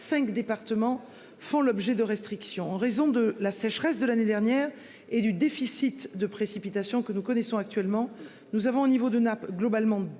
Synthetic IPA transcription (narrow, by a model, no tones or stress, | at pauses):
sɛ̃kd̪epaʁt̪əmɑ̃ | fɔ̃lɔbʒɛd̪əʁɛst̪χiksjɔ̃ɑ̃ʁezɔ̃d̪əlasɛʃχɛsd̪əlaned̪ɛʁnjɛʁ | ed̪yd̪efisit̪d̪əpχesipit̪asjɔ̃kənukɔnɛsɔ̃ak̚t̪ɥɛlmɑ̃ | nuzavɔ̃onivod̪ənapɡlɔbalmɑ̃